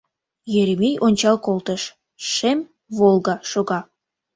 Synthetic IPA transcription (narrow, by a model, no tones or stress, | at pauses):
jeɾemijʔonʲt͡ɕɑlkolˠt̪əʃ | ʃem | volˠɣɑʃoɣɑ